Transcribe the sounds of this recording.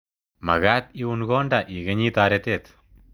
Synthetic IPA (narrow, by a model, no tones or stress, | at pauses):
mɐ̰ɣaːt̪iunɡoːɳɖaʔiːɣɐɲiːt̪aːɾɐt̪eːt̪